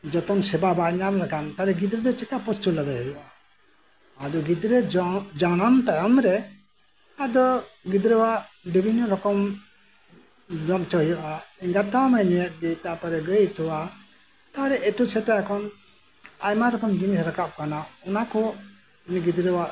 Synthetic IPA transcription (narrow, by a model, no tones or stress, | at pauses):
d͡ʒɔt̪ɔmsɛbabaɲablakant̪aɾɛɡid̪ɾɛd̪ɔt͡ʃɛkapɔst̪ulad̪ajhəjɔʔaː | d̪ɔɡid̪ɾɛd͡ʒanamt̪ajamɾɛ | ad̪ɔɡid̪ɾɛwaʔ | dibʱinːɔɾɔkɔm | d͡ʒɔmt͡ʃɔɦijɔʔaiŋɡat̪awmaɲɔjɛt̪̚ɡəjt̪apaɾɛɡəjt̪ɔwa | t̪aɾɛʔɛʈusʰɛʈajakʰɔn | ajmaɾɔkɔmɡinisɾakap̚kanaɔnakɔ | miɡid̪ɾɛwaʔ